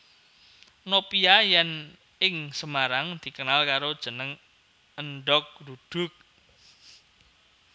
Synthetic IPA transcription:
nopiajɛn | ɪŋsəmaɾaŋd̪̥i̤kənalkaɾod̥ʒ̥ə̤nəŋ | ənɖɔk̚dud̪̥ʊ̤k̚

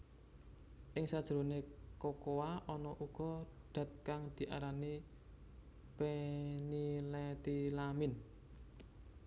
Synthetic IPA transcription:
ʔɪŋsad̥ʒ̥ɾonekokowaʔɔnɔʔuɡ̥ɔ̤ɖ̪̥ä̤t̪̚kaŋd̪̥i̤ʔa̰ɾani | penilɛt̪ilamɪn

